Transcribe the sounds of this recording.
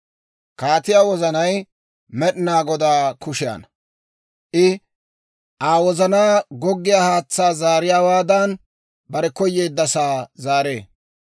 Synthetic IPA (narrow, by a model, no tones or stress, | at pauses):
kaːt̪ɪjaːwɔzɐnɐj | mɛɗɪnaːɡɔd̪aːkʊʃɪja̰ːnɐ | ʔɪ | ʔaːwɔzɐnaːɡɔɡːɪjaːhaːt͡sːaːzaːɾɪjaːwaːd̪ɐn | bɐɾɛkɔjːeːd̪ːɐsaːzaːɾe̞ː